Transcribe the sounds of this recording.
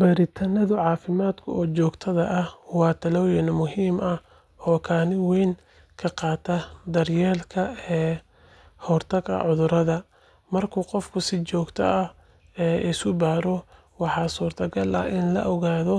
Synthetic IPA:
bɐɾɪt̪ʰɐnɐðʊʕɑːfɪmaːd̪kʰʊ̰ɔːt͡ʃɔːɡt̪ʰɐðɐʔɐhwɑːt̪ʰɐlɔːjɐnmʊɦiːmɐ | hɔːkʰaːnɪwɛːŋ | kʰɐqɑːt̪ʰɐd̪ɐrjɛːlkʰɐɛː | hɔrt̪ʰɐɡɐ̰ʕʊðʊɾɐðɐ | mɐrkʰuːqɔfkʰʊsɪt͡ʃɔːɡt̪ʰɐ̰ʔɐ | ɛːʔɪsʊbaːɾɔ | wɑħɑːsuːrt̪ʰɐɡɐlɐ̰ɪnlɐ̰ʔɔɣaːðɔ

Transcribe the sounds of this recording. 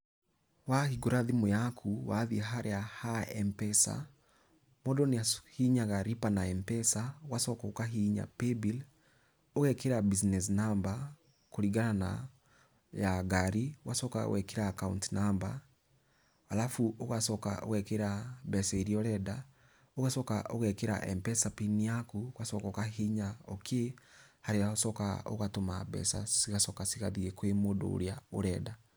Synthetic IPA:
wahiɡoɾaðimojakʰuwaðiɛɦaɾʔeahaɛmpɛsa̰ | mɔdɔnahiɲaɣaɾipanaɛmpɛsawasɔkɔkaɦiɲa̰pebil | oɣɛkeɾabisnɛs̬namba | koɾiɣanana̰ | jaɡaɾiwasɔka̰o̰ɣɛkeɾakauntinamba | alafuoɣasɔka̰ʔo̰ɣɛkeɾabɛsaeɾiɔɾɛda | oɣasɔkaʔo̰ɣɛkeɾa̰ʔɛmpɛsapiniakuɣasɔkɔkaheɲaokʰehaɾeaosɔka̰o̰ɣatoma̰bɛ̰sa̰siɣasɔkasiɣaðiɣɛkwemodo̰ɾjaoɾɛda

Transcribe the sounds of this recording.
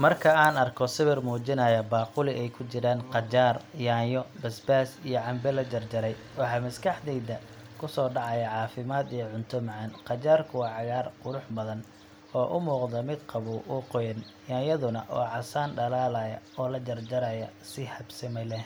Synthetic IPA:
mɐrkʰɐaːnɐrkʰɔsɪβɪrmuːt͡ʃɪnɐjɐbaːqʊlɪʔɛjkʰʊt͡ʃɪɾaːnqɑt͡ʃaːrjaːjɔbɐsbaːsijɞʕɑmbɛlɐd͡ʒɐrd͡ʒɐɾɛj | wɑħɑːmɐskʰɐħd̪ɛjd̪ɐ | kʰʊsɔːɖɑʕɑjɐʕɑːfɪmaːd̪ijɔʕʊnt̪ʰʊmɑʕɑnqɑt͡ʃaːrkʰʊwɑːʕɑɣaːrqʊɾʊħbɐðɐn | ɔːʔʊmuːqd̪ɐmɪd̪qɑβʊwʔʊqɔjɐn | jaːjɐðʊnɐʔɔ̰ːʕɑsaːnɖɐlaːlajɐɔːlɐt͡ʃɐrd͡ʒɐɾajɐsɪhɐbsɪmɛlɛ

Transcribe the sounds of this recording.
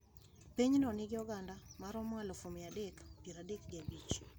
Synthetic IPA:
peɲnɔnɪɡɪɔɡandamaɾɔmŋalofomjadekpiɾadekɡɪabit͡ʃ

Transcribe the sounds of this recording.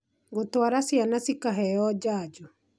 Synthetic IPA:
ɡotwaɾasjanasikaɦɛɔd͡ʒaːd͡ʒɔ

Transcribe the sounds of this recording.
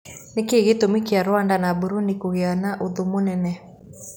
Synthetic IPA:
nekeːɣetomekeaɾwandanabuɾunikoɣeanaʔoðomonɛnɛ

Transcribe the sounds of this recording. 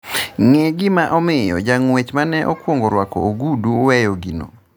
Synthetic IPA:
ŋeɡɪmaʔɔmɪjɔ̰d͡ʒaŋwet͡ʃmanɛʔɔkwoŋɡoɾwakɔ̰oɡuduwɛjɔɡino̰

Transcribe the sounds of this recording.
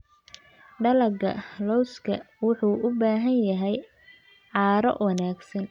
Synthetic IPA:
ɖɐlɐɡɐ̰lɔwskʰɐ | wʊħuːʊbaːɦɐnjɐɦɛj | ʕɑːɾɔ̰wɑnaːɡsɐn

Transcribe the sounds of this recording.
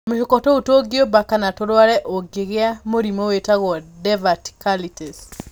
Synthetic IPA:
moʃokɔtɔotoɡiobakanatoɾwaɾɛʔoɡeɣeamoɾimowetaɣwɔdɛvati̥kalites

